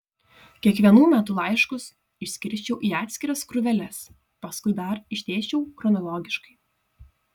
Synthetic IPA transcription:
kʲiɛkʋʲiɛnuːmʲæt̪ʊlˠɐɪʃkʊs | ɪʃʲsʲkʲɪɾʲsʲt͡ʃʲɛʊʔiːɑːt̪ʲsʲkʲɪɾɐskɾʊʋʲɛlʲɛs | pɐskʊɪd̪ɐɾɪʃʲt̪ʲeːt͡ʃʲɛʊxɾɔnɔlˠɔːɡʲɪʃkɐɪ

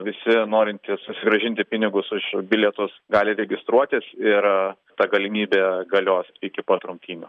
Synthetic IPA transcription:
ʋʲɪsʲɪnoːɾʲɪnʲt̪ʲiːssʊsʲɪɡɾɐʒʲɪnʲt̪ʲɪpʲɪnʲɪɡʊsɪʃbʲɪlʲɛt̪ʊsɡɑːlʲɪɾʲɛɡʲɪst̪ɾuɔt̪ʲɪsɪr | t̪ɐɡɐlʲɪmʲiːbʲeːɡɐlʲoːsɪkʲɪpɐt̪ɾʊmʲt̪ʲiːnʲʊ

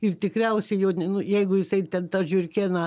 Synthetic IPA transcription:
ɪrt̪ʲɪkɾʲɛʊsʲɛɪjoːnʲnʊjɛɪɡʊjɪsɐɪt̪ʲɛnt̪ɐʒʲʊrʲkʲeːnɐ

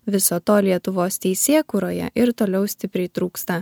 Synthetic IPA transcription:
ʋʲɪsoːt̪oːlʲiɛt̪ʊʋoːst̪ʲɛɪsʲeːkuːɾoːjɛ̰ʔɪɾt̪oːlʲɛʊsʲt̪ʲɪpʲɾʲɛɪt̪ɾuːkst̪ɐ

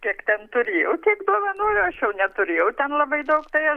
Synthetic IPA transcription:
kʲiɛkt̪ʲɛnt̪ʊɾʲeːjɛʊt̪ʲiːkd̪uoɔʋɐnuɔjoɐʃjɛʊnʲɛt̪ʊɾʲeːjɛʊt̪ʲɛnlˠɐbɐɪd̪ɐʊkt̪ɐɪɐ

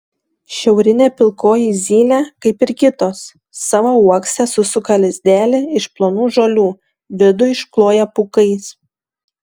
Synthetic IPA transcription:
ʃʲɛʊɾʲɪnʲeːpʲɪlˠkoːjiːzʲiːlʲækɐɪpɪɾkʲɪt̪oːsː | ɑʋouɔksʲɛsʊsʊkɐlʲɪzʲd̪ʲæːlʲɪɪʃplˠoːnuːʒoːlʲuː | ʋʲɪd̪ʊɪʃklˠoːjɛpʊkɐɪs

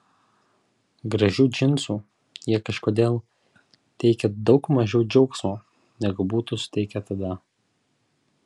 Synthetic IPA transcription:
ɡɾɐʒʲuːd͡ʒʲɪnsuː | jiɛkɐʃkoːd̪ʲeːlˠ | t̪ʲɛɪkʲɛd̪ɒʊkmɐʒʲɛʊd͡ʒʲɛʊksmoː | nʲɛɡʊbuːt̪usʊ̥t̪ʲɛɪkʲɛt̪ɐd̪ɐ

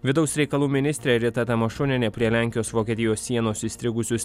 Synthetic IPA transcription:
ʋʲɪd̪ɐʊsʲɾʲɛɪkɐlˠuːmʲɪnʲɪsʲt̪ʲɾʲeɾʲɪt̪ɐt̪ɐmɐʃʊnʲɛnʲɛpʲɾʲiɛlʲæˑŋʲkʲɪjoːsʋoːkʲɛt̪ʲɪjoːsːʲiɛnoːsiːsʲt̪ʲɾʲɪɡʊsʲʊs

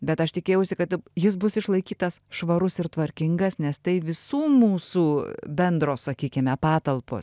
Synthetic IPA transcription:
bʲɛt̪ɐʃt̪ʲɪkʲeːjɛʊsʲɪkɐt̪jɪs̬bʊsɪʃlˠɐɪkʲiːt̪ɐsʃʋɐɾʊsɪrt̪ʋɐɾʲkʲɪŋɡɐsnʲɛst̪ɐɪʋʲɪsuːmuːsuːbʲɛnd̪ɾoːssɐkʲiːkʲɪmʲɛpɑːt̪ɐlˠpo̰ːs

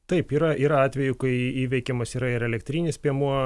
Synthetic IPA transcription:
t̪ɐɪpiːɾɐʔiːɾɐɑːt̪ʲʋʲɛjʊkɐɪiːʋʲɛɪkʲɛmɐsiːɾɐɪɾɛlʲɛkt̪ʲɾʲiːnʲɪspʲiɛmuɔ

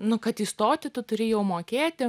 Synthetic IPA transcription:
nʊkɐt̪ɪst̪oːt̪ʲɪt̪ʊt̪ʊɾʲɪjɛʊmoːkʲeːt̪ʲɪ

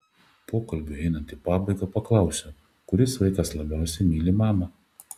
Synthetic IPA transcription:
poːkɐlʲbʲʊɛɪnɐnt̪iːpɑːbɐɪɡɐpɐklˠɐʊsʲɛ | kʊɾʲɪsʋɐɪkɐslˠɐbʲæˑʊsʲɛɪmʲiːlʲɪmɑːmɐ

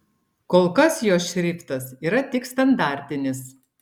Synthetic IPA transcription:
koːlˠkɐsjoːsʃʲɾʲɪːpt̪ɐsiːɾɐt̪ʲɪkst̪ɐnd̪ɑˑɾʲt̪ʲɪnʲɪs

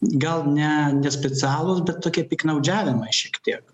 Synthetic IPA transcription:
ɡɐlˠnʲɛnʲɛsʲpʲɛt͡sʲæːlˠʊsbʲɛt̪toːkʲiɛpʲɪknɐʊd͡ʒʲæːʋʲɪmɐɪʃʲiɛkt̪ʲiɛk

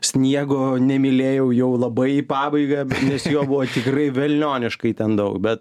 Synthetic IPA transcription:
sʲnʲiɛɡoːnʲɛmʲɪlʲeːjɛʊjɛʊlˠɐbɐɪipɑːbɐɪɡɑnʲɛsjoːbʊʋoːt̪ʲɪkrɐɪʋʲɛlʲnʲoːnʲɪʃkɐɪt̪ʲɛnd̪ɐʊkbʲɛt̪

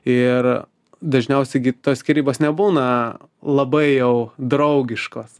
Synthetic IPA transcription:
ɪr | d̪ɐʒʲnʲɛʊsʲɛɪɡʲɪt̪oːskʲiɾʲiːboːsnʲɛbuːnɐ | lˠɐbɐɪjɛʊd̪ɾɐʊɡʲɪʃkoːs

